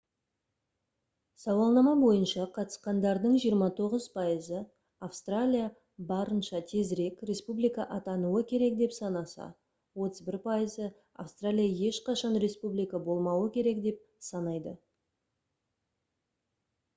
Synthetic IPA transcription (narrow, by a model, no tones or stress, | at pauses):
sɑwɑlˠnɑmɑbo̞jənʃɑqʰɑt̪ə̥sqɑnd̪ɑɾd̪əɴʒijəɾmɑt̪ʰo̞ʁəzpʰɑjəzə | afst̪ralʲija | bɑɾənʃɑt̪ʰe̞zɾe̞kɾe̞spublijkɑʔɑt̪ɑnuəkʲʰe̞ɾe̞k̚d̪e̞psɑnɑsɑ̰ | wo̞t̪əzbɪɾpʰɑjəzə | a̰fst̪ralʲijaje̞ʃqɑʃɑnɾe̞spublijkabo̞lˠmɑwəkʲʰe̞ɾe̞kd̪e̞p̚ | sɑnɑjd̪ə